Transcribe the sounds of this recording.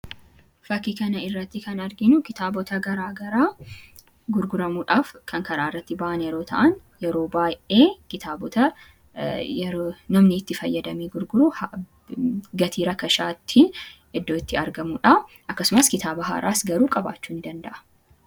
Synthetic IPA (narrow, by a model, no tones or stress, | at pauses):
fɐkːikɐnɐɪrːɐt̪ːɪkɐnɐɾɡɪnʊkɪt̪aːbɔt̪ɐɡɐɾaːɡɐɾaː | ɡʊɾɡʊɾɐmuːᶑaːfkʰɐŋkɐɾaːɪrːɐt̪ːɪbaːʔɐnjɛɾo̞ːt̪ʰɐ̰ʔɐn | jɛɾo̞ːbaːjʔeːkɪt̪ʰaːbɔt̪ɐ | ɛnɐmnɪːt̪ːɪfɐjːɐd̪ɐmeːɡʊɾɡʊɾuh | ɡɐt̪ʰiːɾɐkɐʃaːt̪ʰːiːn | ʔɪd̪ːoːɪt̪ːɪɐɾɡɐmuːᶑɐʔ | ʔɐkːɐsʊmɐskɪt̪aːbɐɦa̰ːɾʔa̰ːsɡɐɾuːkʼɐba̰ːt͡ʃːuːnd̪ɐnd̪ɐʔɐ̥